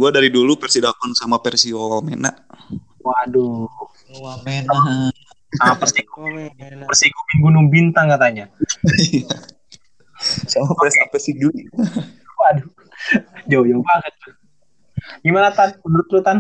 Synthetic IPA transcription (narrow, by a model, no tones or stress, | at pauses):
ɡuadaɾidulupɛrsidakɔnsamapɛrsiwawalmena̰ʔ | wadu | mena | apərsikunpərsiɡuminɡunʊŋbint̪aŋkat̪aɲaja | samapɛsapɛsiɡu | wadu | d͡ʒawjabakət̪̚ | ɡimanat̪anmənuɾʊt̪̚lut̪an